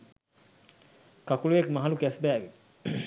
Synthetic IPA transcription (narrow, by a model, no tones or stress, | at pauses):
kakuljekmaɦalukɛsbɛbi